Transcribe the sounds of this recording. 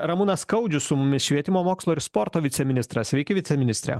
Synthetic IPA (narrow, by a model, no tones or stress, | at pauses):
ɾɐmʊnɐskɐʊd͡ʒʲʊssʊmʊmʲɪsʃʲʋʲiɛt̪ʲɪmoːmoːkslˠoɪɾspɔɾt̪oːʋʲɪt̪sʲɛmʲɪnʲɪst̪ɾɐsʋʲɛɪkʲɪʋʲɪt̪sʲɛmʲɪnʲɪsʲt̪ʲɾʲɛ̰